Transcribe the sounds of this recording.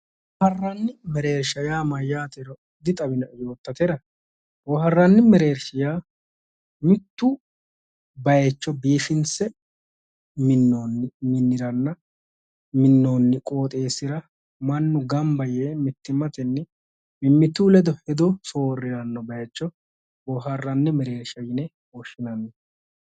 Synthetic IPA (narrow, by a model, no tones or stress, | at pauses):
wɔhɐrːɐnːɪmɛɾeːɾʃɐjaːmɐjaːt̪ɛɾɔ | d̪ɪt̪ʼɐbɪnɐjo̞ːt̪ːɐt̪ɛɾɐ | wɔhɐrːɐnːɪmɛɾeːɾʃɪjaː | mɪt̪ːu | bɐjɛt͡ʃːɔbiːfɪnsɛ | mɪnomɪnːɪɾɐnːɐ | mɪnːoːnːɪkʼo̞ːt̪ʼe̞ːsɪɾɐ | mɐnːʊɡɐmbɐjeːmɪt̪ːɪmɐt̪ɛnːɪ | mɪmːɪt̪ːuːlɛd̪ɔhɛd̪ɔso̞ːrːɪɾɐnːɔbɐjɛt͡ʃːɔ | wɔːɦɐrːɐnːɪmɛɾe̞ːɾʃɐjɪnɛ | woʃːɪnɐnːɛ